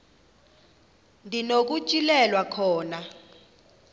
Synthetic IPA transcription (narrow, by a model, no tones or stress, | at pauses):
ndʱinok̬ut͡ʃʼilɛlwakʰɔːna